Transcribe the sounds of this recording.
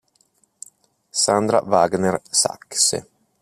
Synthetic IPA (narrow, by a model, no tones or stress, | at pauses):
sand̪ɾa̰vaɡnersa̰kːsḛ